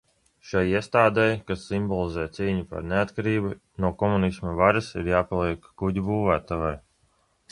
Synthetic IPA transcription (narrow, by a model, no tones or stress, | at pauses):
ʃajiɛst̪aːd̪ɛjkasːimbɔlˠizɛːt̪siːɲupa̰ɾneat̪kaɾiːbu | nuɔkɔmunismavaɾasḭɾjaːpalˠiɛkɡuɟʲubuːvæːt̪avaj